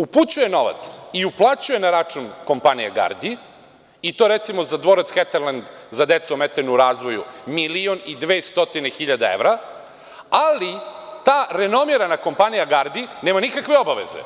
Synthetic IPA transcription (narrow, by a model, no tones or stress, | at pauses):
uput͡ɕuje̞no̞ʋa̰t̪siuplˠat͡ɕuje̞naɾat͡ʂunko̞mpanijeɡa̰ɾd̪i | it̪oɾet̪simo̞zad̪ʋo̞ɾat̪sxet̪eɾland̪zad̪et̪suumet̪anuɾaːzʋo̞jṵmilionid̪ʋeːst̪o̞t̪ine̞xiʎad̪aḛʋɾa | alit̪aːɾeno̞miɾanako̞mpanijaɡaɾd̪ineːmanikakʋe̞o̞baʋḛzḛ